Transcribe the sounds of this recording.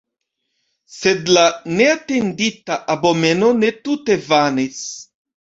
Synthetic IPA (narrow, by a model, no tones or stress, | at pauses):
se̞dlane̞ate̞nditaʔabo̞me̞no̞ne̞tute̞vanis